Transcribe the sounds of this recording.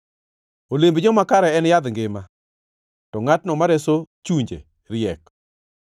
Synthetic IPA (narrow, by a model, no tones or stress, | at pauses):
olembd͡ʒɔmakaɾɛɛnjad̪ŋɡɪma | tɔŋatnɔmaɾɛsot͡ʃuɲd͡ʒḛ | ɾɪɛk